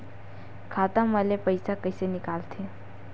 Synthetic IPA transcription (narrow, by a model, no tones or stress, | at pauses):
kʰat̪ãməlepəjsakəjsenikalt̪ʰe